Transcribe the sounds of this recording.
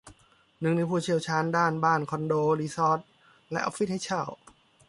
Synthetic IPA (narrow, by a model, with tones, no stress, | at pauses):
nɯ˧ŋnaː˧˥pʰuː˧˩t͡ɕʰi˧˨əwt͡ɕʰaː˧˥ndaː˥˩nbaː˥˩nkʰɔ˧ndoː˧liː˧˥sɔː˦˥t̪̚ | lɛ˦˥ʔa̰˧˥fi˦˥t̪̚ha˥˩jt͡ɕʰa˥˩w